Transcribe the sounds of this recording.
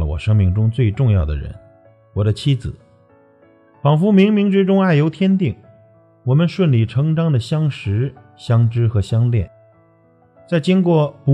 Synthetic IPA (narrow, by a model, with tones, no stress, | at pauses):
ə̰˧wɔ̰˨˩ʂɤ˥ŋmi˧˩ŋʈ͡ʂʊ˥ŋt͡swe˥˧ɪʈ͡ʂʊ˥˧ŋjɑ˥˩ʊd̪ə̰˩ɻə̰˧˥n | wɔ˨˩d̪ə˦t͡ɕʰi˥d͡zɹ̩˨˩˦ | fɑ˨˩ŋfu˧˥mi˧˥ŋmi˧˥ŋʈ͡ʂɻ̩˥ʈ͡ʂʊ˥ŋa˥˩ɪjo˧˥ʊt̪ʰjɛ˥nt̪i˥˩ŋ | wɔ˨˩mə˧nʂwə˥˩nli˥˩ʈ͡ʂʰɤ˧˥ŋʈ͡ʂɑ˥ŋd̪ə˨ɕjɑ˥ŋʂɻ̩˧˥ | ɕjɑ˥ŋʈ͡ʂɻ̩˥xɤ˧˥ɕjɑ˥ŋljɛ˥˩n | t͡sa˥˩ɪt͡ɕi˥ŋkwɔ˥˩pu˧